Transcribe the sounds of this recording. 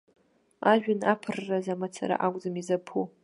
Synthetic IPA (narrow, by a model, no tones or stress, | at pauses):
aʒᶣʊnapʰɨrːazamat͡sʰa̰ɾa̰ʔakʷʼzɨmizapʰu